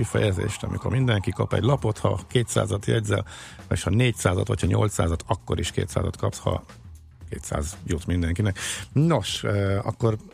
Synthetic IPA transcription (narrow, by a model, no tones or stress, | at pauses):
ifɛjɛzḛːʃt̪ɒmʔikorɾmind̪ɛŋkikɒpɛɟlɒpo̞t̪hɒkeːt̪sa̰ːzɒt̪jɛɟʲzɛ̰leʃhɒneːcsaːzɒt̪ochɒɲo̞lt̪saːzɒt̪ɒkːo̞ɾʔiʃkḛːt̪sa̰ːzɒt̪kɒpshɒ̰ | keːt̪sa̰ːzjut̪mind̪ɛŋkinɛknoʃøːɒ̰kːo̞r